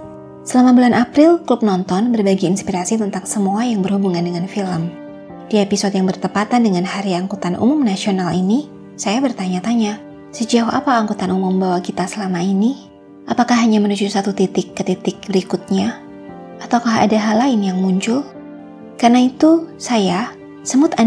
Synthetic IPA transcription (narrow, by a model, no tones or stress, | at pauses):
səlamabulanʔapɾɪlklup̚nɔnt̪ɔnbərbaɡiːnspiɾasit̪ənt̪aŋsəmuajaŋbərhubuŋandəŋanfiləm | d̥iepisɔdjaŋbərt̪əpat̪andəŋanhaɾiaŋkut̪anʔṵmʊmnasionalini | sajabərt̪aɲat̪aɲa | səd͡ʒauha̰paːŋkut̪anumʊmbawakit̪asəlamaini | ʔapakahɦːaɲamənud͡ʒusat̪ut̪it̪ɪkːət̪it̪ɪk̚bəɾikʊt̪̚ɲa | ʔat̪awkaɦa̰daɦalaɪnjaŋmuɲt͡ʃʊl | karnait̪usaja | səmʊt̪a